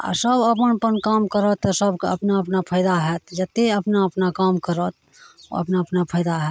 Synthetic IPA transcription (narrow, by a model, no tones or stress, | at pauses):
a̰səbəpənpənkaːmkəɾət̪ːɔsəbkə̰pnaəpnapʰəɪd̪aɦɛt̪d͡ʒət̪ːeəpnaəpnakaːmkəɾət̪ | o̰ə̰pnapnapʰəjd̪aɦɛːt̪